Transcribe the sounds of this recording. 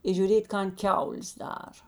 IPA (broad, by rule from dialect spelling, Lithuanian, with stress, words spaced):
ɪ ʒʲʊˈrʲeːtʲ ˈkɐn ˈkʲɛʊlʲeːs ˈdɑːrɐ